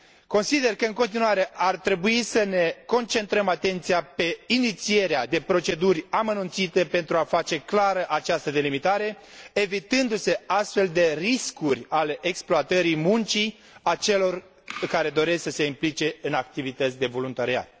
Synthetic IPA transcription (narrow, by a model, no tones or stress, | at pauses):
ko̞nsid̪e̞rkəɨŋko̞nt̪̬inuwaɾe̞ʔart̪ɾe̞buisəne̞ko̞nt͡ʃe̞nt̪ɾəmat̪e̞nt̪sijape̞init̪sie̞ɾead̪e̞pɾo̞t͡ʃe̞d̪urʲamənunt̪sit̪e̞pe̞nt̪ɾuafat͡ʃe̞klaɾəʔat͡ʃast̪əd̪e̞limit̪aɾe̞ | evit̪ɨnd̪use̞ast̪fe̞ld̪e̞riskurʲaleʔeksploat̪əɾimunt͡ʃi | at͡ʃe̞lo̞r | kaɾe̞d̪o̞ɾe̞sksəse̞implit͡ʃe̞ɨnak̚t̪ivit̪ət̪sʲd̪e̞vo̞lunt̪aɾia̰t̪̚